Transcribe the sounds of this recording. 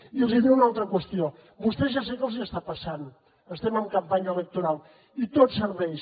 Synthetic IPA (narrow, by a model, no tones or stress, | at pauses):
ielˠziðewunawˠt̪ɾɐkwəst̪jo | bust̪eʒas̬eklˠziast̪apɐsanu | əst̪emaũŋkɐmpaɲɐelek̚t̪uɾalˠ | it̪ot̪səɾβɛjs